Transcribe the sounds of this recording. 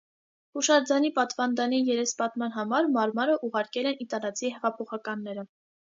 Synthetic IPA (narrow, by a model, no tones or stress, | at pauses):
huʃɑɾd͡zɑnipɑt̪vɑnd̪ɑnijɛɾɛspɑt̪mɑn̪ɦɑmɑɾmɑɾmɑɾəʔuʁɑɾkɛlɛnit̪ɑlɑt͡sʰiɦɛʁɑpʰɔχɑkɑnːɛɾə